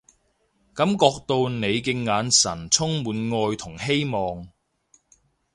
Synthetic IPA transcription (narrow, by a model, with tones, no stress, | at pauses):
kɐ˨˧˥mkɔː˧k̚t̪o˧wne˨˧jkɪ˧ŋːaː˨˧nsɐ̰˨˩nt͡sʰʊ˥ŋmuː˨˧˥nŋɔː˧jt̪ʰʊ˨˩ŋhe˥jmɔː˨ŋ